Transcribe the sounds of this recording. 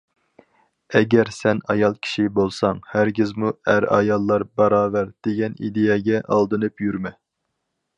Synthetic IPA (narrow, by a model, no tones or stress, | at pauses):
ɛɡʲɛɾsɛnɑjɑlˠkʲʰi̥ʃibolˠsɑŋhæɾɡʲɪzmuæɾɑ̰jɑlˠːɑɾbɑɾɑːvæɾd̪̥eɡʲɛnḭd̪ejɛɡʲɛʔɑlˠd̪ɨnɨpjyɾmɛ